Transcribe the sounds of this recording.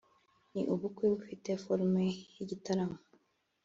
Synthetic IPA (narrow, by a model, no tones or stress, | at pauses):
nḭʔuβukwiβufitefoɾmejiɟitaɾamo